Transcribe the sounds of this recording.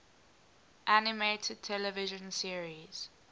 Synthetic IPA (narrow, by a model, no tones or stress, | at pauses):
ʔænɪmetʰəd̚tʰɛlɛvɪʒə̃nsiəɹiz̥